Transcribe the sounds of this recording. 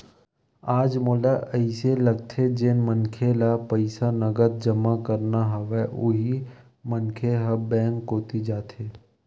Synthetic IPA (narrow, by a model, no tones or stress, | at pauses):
aːd͡ʒmoːlaʔəɪseləɡ̚t̪ʰed͡ʒenmənkʰelapəɪsanəɡət̪̚d͡ʒəmakəɾnaɦɐʋɛʔʊɦi | mənkʰeɦəbɛ̃ːŋkɦoːt̪id͡ʒaːt̪ʰeː